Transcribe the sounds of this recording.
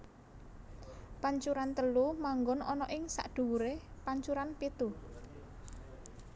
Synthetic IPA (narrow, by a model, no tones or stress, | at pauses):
paɲt͡ʃuɾant̪əlumaŋɡɔnɔnɔʔɪŋsa̰ʔɖ̪̥ṳwuɾepaɲt͡ʃuɾanpit̪u